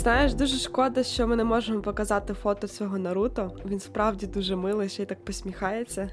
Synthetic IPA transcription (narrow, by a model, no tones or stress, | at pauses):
znɑjeʃd̪uʒɛʃkɔd̪ɐʃt͡ʃɔmɪnɛmɔʒemɔpɔkɐzɑt̪ɪfɔt̪ɔsʲʋʲɔɦɔnɐɾut̪ɔʋʲinspɾɑwdʲid̪uʒɛmɪlˠɪʃt͡ʃɛjt̪ɑk̚pɔsʲmʲixɑjet͡sʲːɐ